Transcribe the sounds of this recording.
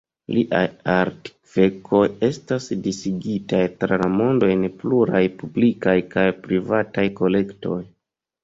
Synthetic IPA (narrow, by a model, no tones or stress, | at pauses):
liʔajaɾti̥kv̥e̞kʰo̞je̞stasdisiɡitajtɾalamo̞ndo̞jnpluɾajpublikajkajpɾivatajko̞le̞kto̞̰j